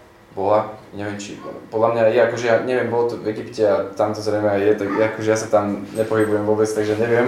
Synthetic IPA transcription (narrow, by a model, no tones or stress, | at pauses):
bɔlaɲɛʋɛmt͡ʃḭpɔd̪lamɲajaakɔʒɛjaɲɛʋɪɛmbɔlt̪ɔvɛɡipcɛat̪amt̪ɔzɾɛjmɛajjɛt̪aɡjaakɔʒɛjasat̪amɲɛpɔɦibujɛmʋɔbɛt͡st̪aɡʒɛɲɛʋɪɛm